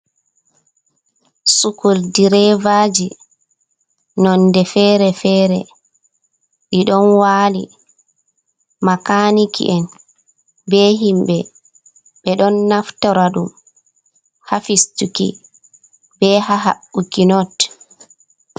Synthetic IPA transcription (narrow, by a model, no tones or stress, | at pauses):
sukuldiɾɛvad͡ʒi | nɔndɛfɛːɾɛfɛːɾɛ | ɓiɗɔnwaːlḭ | makanikḭʔɛn | bɛɦimbɛ | ɓɛɗɔnːaftɔɾaɗum | hafistukḭ | bɛhaɦa̰ɓːukinɔt